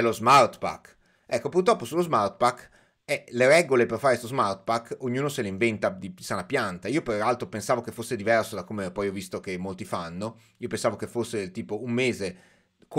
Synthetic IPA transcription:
ɛlozmart̪pa̰k | ɛkːopurt̪ɾɔpːosulːozmart̪̚pakː | ɛleɾɛɡoleperfaːɾest̪ozmart̪pakːoɲːuːnoseleiɱvent̪ad̪iisanapjant̪aiːoperalt̪ɾopensaːvokefosːed̪ivɛrsod̪akːomepɔjɔvist̪okemːolt̪ifanːo | iːopensaːvokefosːeelt̪iːpoummeːze | k

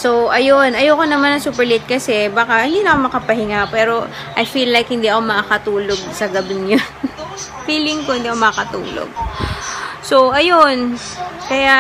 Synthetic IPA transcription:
soʔɐjonʔɐjowkonɐmanɐŋsuːpɛɹlit̪̚kɐsɛbaːkɐhɪnd̪iːnɐkomɐkɐpɐhɪŋapɛːɾo̞ | ʔɐjfiːlːajkhɪnd̪iːʔɐko̞mɐʔakɐt̪uːlo̞ɡ̚sɐɡɐbɪŋjon | fiːlɪŋkohɪnd̪iːɐkomɐʔɐkɐt̪ṵːlo̰ɡ̚ | so̞ʔɐjonkɐja

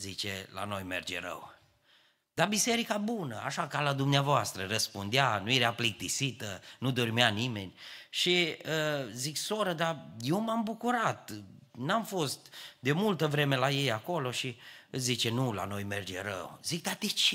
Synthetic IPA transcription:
zit͡ʃḛla̰no̞jmerd͡ʒḛɾə̰w | d̪̥abise̞ɾikabunəa̰ʃakalad̪umneavoast̪ɾərəspund̪eanujeɾeaplik̚t̪isit̪ənud̪o̞rmeanime̞nʲʃiəziksoɾəd̪ajewmambukuɾat̪namfo̞st̪d̪e̞mult̪əvɾe̞me̞laje̞jako̞lo̞ʃiɨzit͡ʃe̞nula̰no̞jme̞rd͡ʒeɾə̰wzik̚d̪at̪it͡ʃe

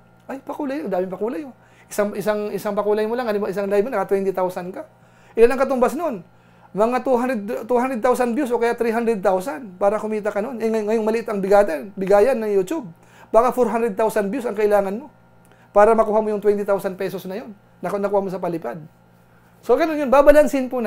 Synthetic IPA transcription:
ʔajpɐkuːlajlaŋd̪aːmɪŋpɐkuːlajo | ʔɪsaŋʔɪsaŋʔɪsaŋpɐkuːlajmolaŋɐnmɪsaŋlajbmonɐkɐt̪wɛnt̪ɪt̪awsɐnka | ʔɪlanɐŋkɐt̪ʊmbasnoon | mɐŋat̪uɦanɾɛd̪̚t̪uhand̪ɾɛd̪̚t̪awsɐnbjusʔokɐjat̪ɾiɦand̪ɾɛd̪̚t̪awsanpaːɾɐkʊmiːt̪ɐkɐnonʔɛŋɐŋːɐjoŋmɐlɪʔɪt̪ɐŋbɪɡaːt̪ɛbɪɡaːjɐnːɐŋjut̪ub̚ | baːkɐfoɾɦand̪ɾɛd̪̚t̪awsɐnbjusɐŋkɐʔɪlaːŋɐnmo̞ | paːɾɐmɐkuːhamojʊŋt̪wɛnt̪ɪt̪awsɐnpɛsosnɐjo̞nːɐnɐkuːhamosɐpɐlɪpad̪̚ | soɡɐnonjonbaːbalansɪnpʊn

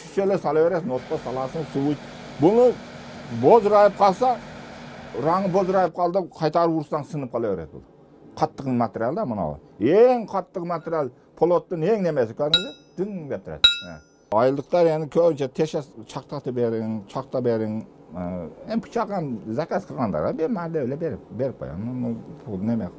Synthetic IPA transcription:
ʃʰy̥ʃelesɑlˠɑweɾet̪not̪ːosɑlˠɑsəŋsuwujt̪ | bʊnə | bozɾɑjəp̚qʰɑlˠsɑ | ɾɑɴəbozɾɑjɪp̚qʰɑlˠd̪əqʰɑjt̪ɑɾuuɾsd̪ɑnsənɨp̚qʰɑlˠɑweɾḛd̪̚bʊ̰lˠ | qʰɑt̪ːəqmat̪eɾijalʲˠd̪ɑmʊnɑ̰wɑ̰eŋqʰɑt̪ːəqmat̪eɾijal | pʰolˠot̪ːɨneŋnemesɪkʰʲød̪ɪŋɪzed̪̥iŋd̪ep̚t̪ʰʊɾɛ̰d̪ | ɑjlˠd̪əqt̪ɑɾenɪkʲʰønt͡ʃʰɛt̪ʰeʃɛt͡ʃʰɑqt̪ɑt̪ɨbeɾɪŋt͡ʃʰɑqt̪ɑbeɾɪŋ | empʰʊ̥t͡ʃʰɑqɑnzækʲæt̪qʰəɾʁɑnd̪ɑ̰ɾɑbemæɾd̪ewelɛbeɾɪpbeɾɪp̚qʰo̰jɑ̰nnupʰud̪nemeq

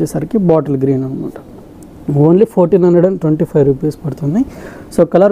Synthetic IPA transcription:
eːsaːɾikibaːʈɐlɡɾiːnɐnukṵɳʈu | oːnlipʰoːɾʈiːnɐnɖɐɽɐnʈweɳʈipʰɐjʋɾuːpeːspɐɽut̪und̪i | soːkɐlɐɾ

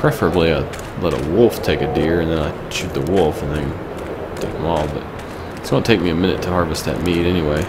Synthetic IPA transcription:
pʰɹ̥ɛfə˞ɨbliaɪ | lɛɾə̰wʊlˠftʰeɪkɨdɪɹɨ̃nðɨ̃naɪ | t͡ʃʉt̪̚ðəwʊlˠfɨ̃nðẽɪ̃ | tʰeɪk̚ə̃mɔlˠbʌ̰t̚ | ɪtsɡõnətʰeɪk̚miɨmɪ̃ñɨ̰tʰəhɑɹvɨsðɨ̰t̚miɾɛniweɪ

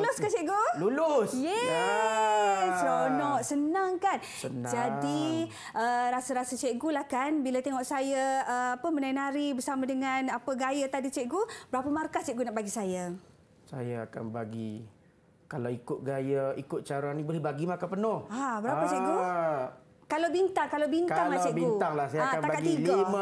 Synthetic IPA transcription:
ulʊskant͡ʃɛʔɡululʊsjɛja | onɔʔsənaŋkan | ənd͡ʒd͡ʒadi | əɾasəɾasət͡ʃɛʔɡulahkanbilat̪eŋɔʔsajaəapəmənajnaɾibərsamãdəŋanapəɡajat̪adit͡ʃɛʔ̚ɡubəɾapəmarkast͡ʃɛʔɡunaʔbaɡisaja | sa̰jaaka̰nbaɡi | kalawikʊt̪̚ɡajaikʊt̪̚t͡ʃaɾaŋnibolehbaɡimakapənʊhabəɾaat͡ʃɛʔɡu | kalawbint̪aŋkalawbintk̪aŋlat͡ʃɛʔiunaŋlahsajaakant̪akat̚ɡ̪iɡlama

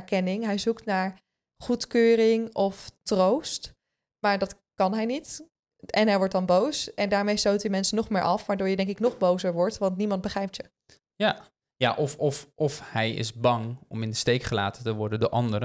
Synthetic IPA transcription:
ɛɹkɛnɪŋɦɛjzuktnaːɹ | χutkøːrɪŋɔftrowst | maːɹdɑt | kɑnɦɛjnit | ɛnɦɛjʋɔɹt̚dɑnbowsɛndaːɹmejstowtdəmɛnsənɔχmɪːɹʔɑfʋaːɹdoːɹjədɛŋkɪknɔχbowzəɹʋɔɹtʋɑntnimɑnt̚bəχrɛjp̚tjə | ja | ja̰ːʔɔfɔfɔfhɛjɪ̰zbɑŋɔmɪndəstejkχəla̰ːtətəʋɔɹdədo̰ːɹʔɑ̰ndəɾə

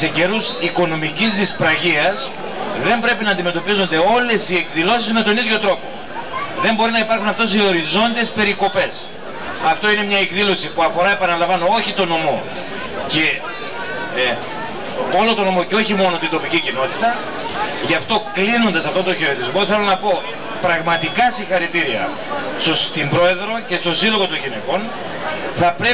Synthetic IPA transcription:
seɟe̞ɾusiko̞no̞micizðispɾɐʝiɐs | ðe̞mbɾe̞pinɐːnd̪ime̞t̪o̞pizo̞nd̪e̞o̞le̞sie̞kðilo̞sizme̞t̪o̞niðʝo̞t̪ɾo̞po̞ | ðe̞mbo̞ɾinɐipɐɾxunɐft̪o̞s̬io̞ɾizo̞nd̪ie̞spe̞ɾiko̞pe̞s | ɐft̪o̞ine̞mɲɐekðilo̞sipuɐfoɾɐe̞pɐnɐlɐɱvɐnoo̞çit̪o̞no̞mo̞ | ce̞ | o̞lot̪o̞no̞mo̞ceo̞çimo̞no̞t̪int̪o̞picicino̞t̪it̪ɐ | ʝɐft̪o̞klino̞nd̪ɐsɐft̪o̞nt̪o̞çeoðizmo̞θe̞lo̞nɐpo̞ | pɾɐɣmɐt̪ikɐsiŋxɐɾit̪iɾiɐ̰ | st̪ost̪imbɾo̞e̞ðɾo̞ce̞st̪o̞silo̞ɣo̞t̪o̞ɲʝine̞ko̞n | θɐpɾe

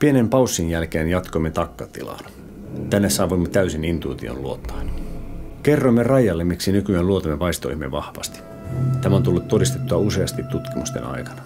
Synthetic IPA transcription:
pienempɑusːinjælkeːnjɑt̪koimːet̪ɑkːɑt̪ḭlɑ̰ːn | t̪ænːessɑːʋuimːet̪æysinint̪uit̪io̰nluot̪ːɑ̥in | kerːoimːerɑjːɑlːemmiksinykyælluot̪ɑmːepɑist̪o̰ihimːeʋɑhʋɑ̰st̪i̥ | t̪æmæont̪ulːut̪todist̪et̪ːuɑuse̞ɑst̪it̪ut̪kimust̪ḛnɑ̰ikɑ̥nɑ̥

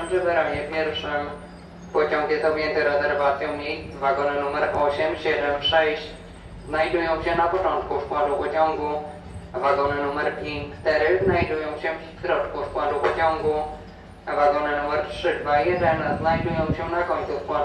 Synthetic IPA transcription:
mʐɛbɛɾaɲɛpʲjɛɾfʂɛm | pɔt͡ɕɔ̃ŋkjɛst̪ɔbʲjɛnt̪ɛɾɛzɛɾvat̪sʲjɔ̃w̃mɲejvaɡɔnɘnumɛɾʔɔɕɛmɕɛd̪ɛmʂɛɕt͡ɕ | znajd̪ujɔ̃w̃ɕɛnapɔt͡ʂɔ̃nt̪kuskwad̪upɔt͡ɕɔ̃ŋɡu | vaɡɔnɘnumɛɾpʲjeɲkt͡ʂt̪ɛɾɘznajd̪ujɔ̃w̃ɕɛ | k̪ɾɔt͡ʂkuskwad̪upɔt͡ɕɔ̃ŋɡu | vaɡɔnɘnumɛɾtʂɘd̪vajɛd̪ɛnznajd̪ujɔ̃w̃ɕɛnakɔɲt̪suskwa

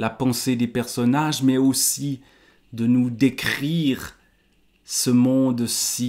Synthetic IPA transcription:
lapɑ̃sed̪epɛʁsɔnaʒmɛosi | d̪ənud̪ekχiːʁ | səmɔ̃ːd̪si

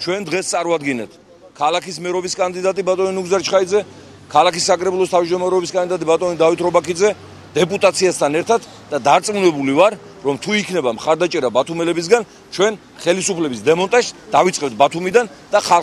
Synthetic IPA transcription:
t͡ʃʰwɛnd̪ʁɛst̪sʼaɾuad̪ɡinɛt̪ʰ | kʰalˠakʰismɛɾɔbiskʼand̪id̪at̪ʼibat̪ʼɔninuɡzaɾt͡ʃʰχaid̪zɛ | kʰalˠakisːakʼɾɛbulˠɔst̪ʰavd͡ʒd̪ɔmaɾɛɔbiskʼand̪id̪at̪ʼibat̪ʼɔnid̪avit̪ʰɾɔbakʰid̪zɛ | d̪̥ɛpʼut̪ʼat̪sʰiast̪ʰanɛɾt̪ʰat̪ʰ | d̪̥ad̪aɾt̪sʼmunɛbulivaɾ | ɾɔmt̪ʰuikʰnɛbamχaɾd̪at͡ʃʼɛɾabat̪ʰumɛlɛbis̬ɡan | t͡ʃʰwɛn | χɛlisupʰlɛbisd̪ɛmɔnt̪ʼaʃsd̪̥avit̪sʼqʼɛbt̪̚ʰbat̪ʰumid̪an | d̪̥aχa

